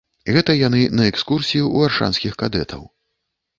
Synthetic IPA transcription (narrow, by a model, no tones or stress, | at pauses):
ɣɛt̪ɐjanɨnɐɛkskursʲijuːvarʂa̰nsʲkʲixkad̪ɛt̪ʰɐ̰w